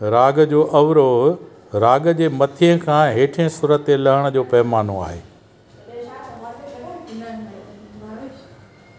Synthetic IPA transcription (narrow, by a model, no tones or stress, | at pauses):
ɾaːɡd͡ʑoːʔɐʋɾoːɦ | ɾaːɡəd͡ʑeːmɐt̪ʰijə̃kʰãːɦeːʈʰɪə̃sʊɾət̪elɐɦɪɽ̃əd͡ʑoːpɐɦɪmaːnõa̰ːɦḛː